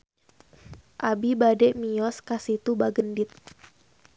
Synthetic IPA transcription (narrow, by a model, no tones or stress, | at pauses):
ʔabibadɛʔmijɔskasit̪ubaɡəndɪt̪̚